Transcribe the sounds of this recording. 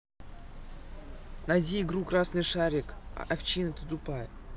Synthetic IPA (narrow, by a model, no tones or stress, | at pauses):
nadʲiːɡɾukɾasnɨjʂaɾʲɪka̰ʔaft͡ɕinɨt̪ət̪ʊpaj